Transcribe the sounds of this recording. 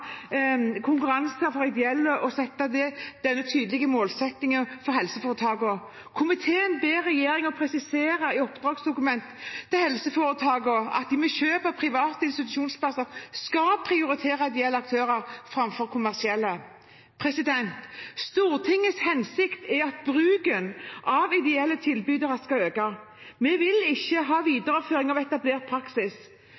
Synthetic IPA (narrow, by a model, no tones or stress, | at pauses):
kʰʊŋkʉɾɑnsɑɾfɔɾɪd̪ɛɛlːəʔɔsɛt̪ːɑd̪ɛd̪̥ɛnːət̪ʰyːd̪əlɪɡəmoːlsɛt̪nɪŋənfɔɾhɛlsəfoːɾət̪ʰɑːɡəɔ | kʰʊmɪt̪ʰeːənbeːɾɛjeːɾɪŋɔpʰɾɛsɪseːɾɑɪɔpd̪ʁɑːɡsd̪ʊkʉmɛnt̪t̪ːɛhɛlsəfoːɾət̪ʰɑːɡəɑ̰t̪̚d̪ɪmɔɕøːpəpʰɾɪʋɑːt̪əɪnst̪ɪt̪ʉʃuːnspʰlɑsəɾskɑlpʰɾɪʊɾɪt̪ʰeːɾɑɪd̪ɛɛlːəɑk̚t̪ʰøːɾəɾfɾɑmfɔɾkʰʊmæʁsɪɛlːə | pʰɾɛsɪd̪ɛnt̪st̪uːɾt̪ʰɪŋːəshɛnsɪkt̪ɛɑt̪̚bɾʉːɡənʔɑʋɪd̪ɛɛlːət̪ʰɪlbyːd̪əʁəskɑøːkɑ | mɛʋɪlɪçːəɦɑːʋiːd̪əɾɑføːɾɪŋɑʋɛt̪ɑbleːɾt̪̚pʰɾɑksɪs